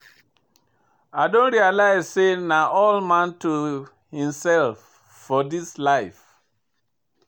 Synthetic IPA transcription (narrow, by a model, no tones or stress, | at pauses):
aɪdõnɹialaɪz̥senaʔɔlmãntu | hĩmsɛlfː | ɔdislaɪf